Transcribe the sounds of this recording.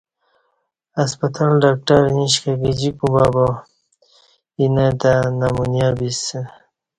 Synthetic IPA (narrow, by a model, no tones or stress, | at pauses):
aspat̪ʰalɖak̚ʈaɾniʃkaɡid͡ʑikubaba | inad̪anamunjabis